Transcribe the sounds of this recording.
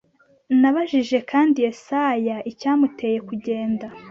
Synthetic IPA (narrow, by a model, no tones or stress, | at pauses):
naβaʒiʒe̞kaːndijesajaʔicaːmute̞je̞kuɟe̞ːnda